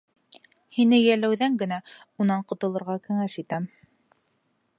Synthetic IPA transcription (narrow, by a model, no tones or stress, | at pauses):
hinɘjælæwðæŋɡɘ̆næ | unɑɴqŏt̪ɤ̆lˠɤ̆ɾʁɑkɘ̆ŋæʃit̪æm